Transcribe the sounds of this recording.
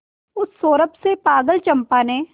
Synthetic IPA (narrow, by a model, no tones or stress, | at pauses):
ʊsːoːɾəpsepaːɡəlt͡ʃɐ̃mpaːneː